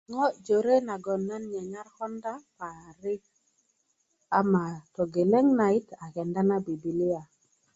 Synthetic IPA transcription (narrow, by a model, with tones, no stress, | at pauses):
ŋɔ˦d͡ʒo˨ɾe˦na˨ɡɔ˨nːa˦nɲɛ˨ɲa˦rkɔ˦nda˦pa˨ɾɪ˦k̚ | a˦ma˨tɔ˨ɡe˨lɛ˦ŋna˨ɪ˦ta˨kɛ˨nda˦na˦bi˨bi˨li˦a˨